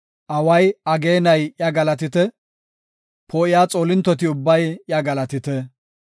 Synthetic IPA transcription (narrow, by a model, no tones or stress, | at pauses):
ʔɐwɐjɐɡe̞ːnɐjʔjɐɡɐlɐt̪ɪt̪ɛ | pʰɔɪjaːt͡sʼoːlɪnt̪ːɔt̪ɪʊbːɐjjɐɡɐlɐt̪ɪt̪ɛ